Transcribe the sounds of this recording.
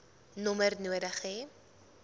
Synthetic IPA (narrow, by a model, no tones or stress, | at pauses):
nɔmərnuəɾəχe